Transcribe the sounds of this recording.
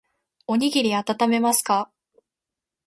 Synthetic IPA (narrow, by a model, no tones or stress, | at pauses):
o̞ɲ̟iɡʲiɾʲiat̪at̪ame̞masɨ̥ka